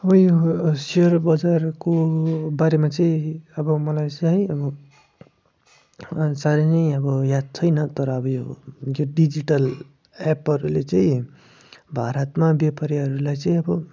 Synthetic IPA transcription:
ʌbʌjosiʌrbʌd͡zarkobaɾemat͡saĩʌbʌmʌlajt͡saɦĩʌbʌ | saɾenʌĩʌbʌjad̪̚t͡sʰʌjnʌt̪ʌɾʌːbʌjojoɖid͡ziʈʌl | ɛpɦʌɾulet͡saĩ | bʱaɾʌt̪mabjepaɾjaɦʌɾulajt͡sãĩʌbʌ

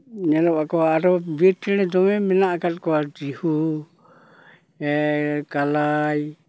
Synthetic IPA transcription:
ɲɛlɔpakɔaːɾɔbiɾt̪iñɛd̪ɔmɛmɛnaʔkat̪̚kɔwad͡ʒihu | ɛkalaj

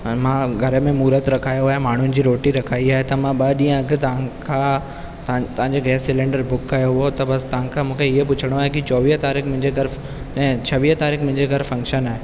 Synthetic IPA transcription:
mãɡʱɐɾəmẽmuːɾət̪ɾɐkʰaːjoaːɦemaːɳ̤ʊnɪ̆d͡ʑiːɾoːʈiɾɐkʰaːiaːɦet̪ɐmãɓɐɗĩːə̃ɐɡɪt̪ɐ̃kʰã | t̪ɐ̃t̪ɐʋ̤ãɲd͡ʑeɡɛːsɪlẽːɳɖəɾbʊkːɐjoɦʊɦot̪ɐbɐst̪ɐʋãkʰãmũːkʰeɪɦepʊt͡ɕʰəɽ̃oaːɦekit͡ɕɔːʋiːɦt̪aːɾixmʊ̃ɦɪ̃ɲd͡ʑeɡʱɐɾ | ɛ̃ːt͡ɕʰɐʋiːɦt̪aːɾiːxmʊ̃ɦɪ̃ɲd͡ʑeɡʱɐɾfɐ̃ŋkʃənaːɦe

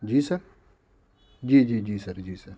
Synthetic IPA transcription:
d͡ʒiːsɐɾ | d͡ʒiːd͡ʒiːd͡ʒiːsɐɾd͡ʒiːsɐɾ

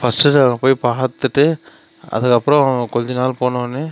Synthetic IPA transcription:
fɐsʈɯʈːɐŋɡɐpoːjpaːt̪ːɯʈːɯ | ɐ̰ðɯkːɐpːɯɾɔ̃kɔɲd͡ʒɯnaːlpoːnɐɐnːɯ

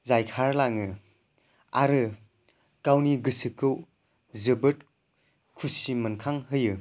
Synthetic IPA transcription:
zajkʰaɾlaŋɯ | aɾɯ | kawniɡɯsɯkɯw | zəbɯt̚ | kʰusimɐnkʰaŋɦɯjɯ

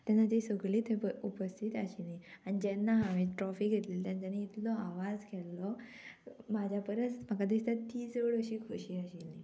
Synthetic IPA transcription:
t̪janːat̪isəɡɭiːt̪pəupəst̪ʰit̪aɕinianid͡ʑɛnːaɦaʋĩʈɾɔfiɡʱet̪lilt̪jãnt͡ɕaniːt̪lɔaʋad͡zkʰɛlːɔ | mad͡ʑʱjapəɾət͡smakad̪ist̪at̪iːsəʋəɽəɕiːkʰoɕiːəɕilni

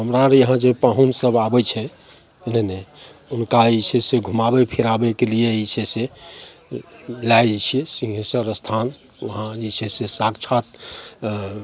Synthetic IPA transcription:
ɦəmɾaɾjəɦãd͡ʒepãɦunsəbabɛt͡ʃʰɛ | nəneunkait͡ʃʰɛseɡʱumabɛpʰiɾabekelijeit͡ʃʰɛse | lajd͡ʒt͡ʃʰɛsĩŋɦẽsəɾəst̪ʰan | ʋəɦãit͡ʃʰɛsesakt͡ʃʰat̪̚

